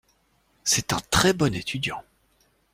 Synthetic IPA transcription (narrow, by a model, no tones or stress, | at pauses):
sɛt̪ɛ̃t̪χɛbɔnet̪ʰyd̪jɑ̰̃